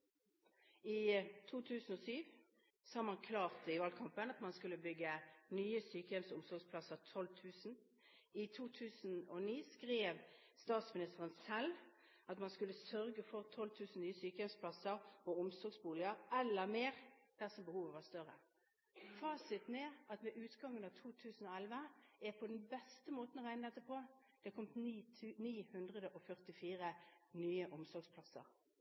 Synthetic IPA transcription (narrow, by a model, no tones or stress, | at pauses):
ɪt̪ʰuːt̪ʰʉːsn̩ɔsyːʋ | sɑːmɑnkʰlɑːʁt̪ɪʋɑlkʰɑmpənɑt̪mɑnskʉlːəbʏɡːənyːəsyːkəjɛmsʊmsɔɡspʰlɑsəʁt̪ʰɔlt̪ʰʉːsn̩ | ɪt̪ʰuːt̪ʰʉːsn̩ɔniːskʁeːʋ | st̪ɑːt̪smɪnɪst̪əʁənsɛl | ɑt̪mɑnskʉlːəsœʁɡəfɔʁt̪ʰɔlːt̪ʰʉːsn̩nyːəsyːkəjɛʋspʰlɑsəʁɔʊmsɔɡsbuːlɪəʁɛlːəʁmeːʁd̪̥æsɔmbəhuːʋəʋɑst̪œʁə | fɑːsɪt̪neːɑt̪ʋɛʔʉːt̪ɡɑŋːənɑʋt̪ʰuːt̪ʰʉːsn̩ɔɛlʋəɛpʰɔd̪ɛnbɛst̪əmoːt̪n̩ɔʁæɪnəɛt̪ːəpʰoː | d̪̥ɛkʰɔmt̪ːniːhʉnd̪ʁəd̪əʔɔfœʁt̪ɪfiːʁənyːəʔʊmsɔɾɡspʰlɑsə̰ʁ